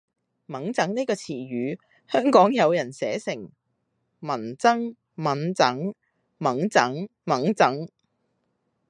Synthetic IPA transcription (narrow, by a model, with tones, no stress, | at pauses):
mɐ˨˥ŋt͡sɐ˨˥ŋniː˥kɔː˧t͡sʰiː˨˩ɥyː˨˧ | hœː˥ŋkɔː˨˥ŋjɐ˨˧wjɐ˨˩nsɛː˨˥sɪ˨˩ŋ | mɐ˨˩nt͡sɐ˥ŋ | mɐ˨˥nt͡sɐ˨˥ŋ | mɐ˨˥ŋt͡sɐ˨˥ŋ | mɐ˨˥ŋt͡sɐ˨˥ŋ